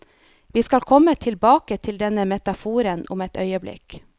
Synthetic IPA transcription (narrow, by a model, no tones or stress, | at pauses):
ʋiːskɑlkʰɔmːət̪ʰɪlbɑːkət̪ʰɪld̪ɛnəmɛt̪ɑfuːɾənʊ̰mɛt̪œʏəblɪ̰k